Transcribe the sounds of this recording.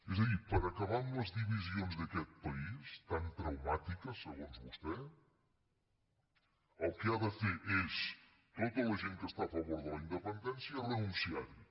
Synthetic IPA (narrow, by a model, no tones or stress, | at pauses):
ezəðipəɾəkəβanləzðiβizionzðəkɛt̪̚pəist̪ant̪ɾəwmat̪ikəsːəɣonzβust̪ɛ | əlˠkəaðəfeʔes | t̪ot̪ələʒeŋkəst̪aːfəβoɾðələind̪əpənd̪ɛnsijərənunsiaɾi